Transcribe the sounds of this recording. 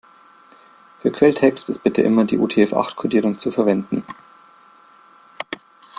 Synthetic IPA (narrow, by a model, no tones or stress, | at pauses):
fyːɐkʰv̥ɛltʰɛkstɪst̚b̥ɪtəʔɪ̰mɐdḭːʔṵːtʰeːɛfʔa̰χtkʰʊɐdiːʁ̞ʊŋt͡sufɛɐvɛndn̩